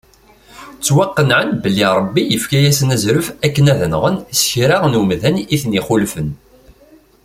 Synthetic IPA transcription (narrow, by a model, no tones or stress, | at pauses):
t͡sːwɑqːənʕənbəlːiɾˤəbːijəfkæjæsənæzɾəfækːənæðənʁənsçɾaʁnumðæniθniχʊlfən